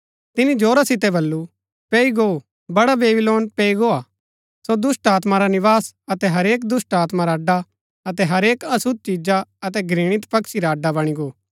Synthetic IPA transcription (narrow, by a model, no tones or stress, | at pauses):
t̪ɪnid͡ʒoːɾasɪt̪ɛbɐlːu | peːiɡo | bɐɽabeːbɪloːnpeːiɡoːaː | sod̪ʊsʈaːt̪maɾanɪʋaːsɐt̪ɛɦɐɾeːk̬d̪ʊsʈaːt̪maɾaːɖa | ɐt̪ɛɦɐɾeːkɐsʊd̪̚t͡ʃid͡ʒaɐt̪ɛɡɾĩːɽ̃ɪt̪pɐkʃiɾaːɖabɐɽ̃iɡoː